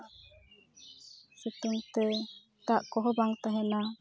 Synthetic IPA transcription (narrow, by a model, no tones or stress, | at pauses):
sət̪uŋt̪ə | t̪aʔkɔɦɔbaŋt̪aɦɛna